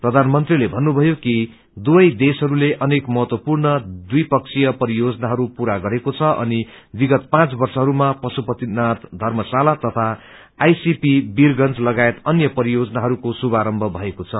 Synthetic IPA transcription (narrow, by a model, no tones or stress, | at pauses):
prʌd̪ʱanmʌnt̪rilebʱʌnːubʱʌjoki | d̪ubʌjd̪esɦʌɾuleʔʌnekmʌɦʌt̪wʌpurnʌd̪ujpʌk̚t͡sʰijʌpʌɾijod͡zʌnaɦʌɾupuɾaɡʌɾekot͡sʰʌʔʌ̰nibiɡʌt̪̚pãt͡sbʌrsʌɦʌɾumapʌsupʌt̪inat̪d̪ʱʌrmʌsalat̪ʌt̪ʰaː | jsipibirɡʌnt͡slʌɡaet̪ʌnjʌpʌɾijod͡zʌnaɦʌɾukosubaɾʌmbʱʌbʱʌekot͡sʰʌ